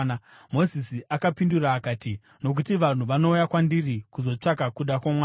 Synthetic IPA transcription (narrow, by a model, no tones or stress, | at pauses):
n | mo̞zisiʔakapinduraːkaːti | no̞k̬utiʋan̤uʋano̞ujakwandirikuzo̞t͡ʂakakuɗakwamwaː